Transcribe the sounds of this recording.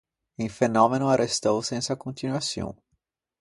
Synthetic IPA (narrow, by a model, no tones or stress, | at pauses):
ẽfenɔ̃mẽnʊaɾest̪owsẽsɐkõnt̪inwasõ̰w̃